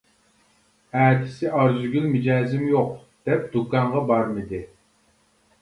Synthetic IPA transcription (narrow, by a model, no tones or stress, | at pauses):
æːt̪ʰɪ̥sɪʔɑɾzʊɡʲylmɪd͡ʒɑːzɪmjoqd̪̥ɛp̚d̪ukɑɴʁɑbɑɾmɪd̪ɪ